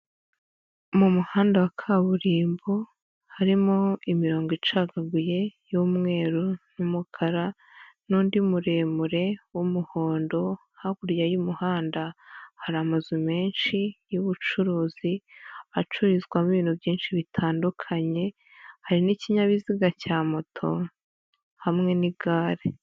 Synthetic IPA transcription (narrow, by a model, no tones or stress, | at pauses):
mumuhaːndawakʰaβuɾiːmbo | haɾimoimiɾo̞ːŋɡit͡ʃaɡaɡuje̞jumŋe̞ːɾunumukʰaɾa | nuːndimuɾe̞ːmuɾe̞wumuho̞ːndo̞ | haɡuɾjajumuhaːndahaɾamazime̞ːnʃijuβut͡ʃuɾuːziat͡ʃuɾizɡwamuβiːn̥huvjiːnʃiβitʰaːndukʰaɲe̞ | haɾiniciɲaβiziɡacaːmotʰo̞̰ | hamŋe̞niɡaːɾe